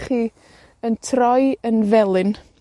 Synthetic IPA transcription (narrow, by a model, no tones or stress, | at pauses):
χiː | əntʰrɔjənvɛlˠɨn